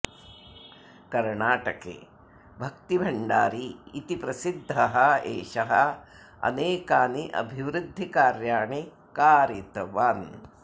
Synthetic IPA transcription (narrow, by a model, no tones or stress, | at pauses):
kɐɾɳaːʈɐkḛː | bʱɐk̚t̪ibʱɐɳɖaːɾiːt̪ipɾɐsid̪ʱːɐɦɐeːʃɐɦɐ | ɐ̰neːkaːniʔɐ̰bʱiʋɾud̪ʱːikaːɾjaːɳe | kaːɾit̪ɐʋaːn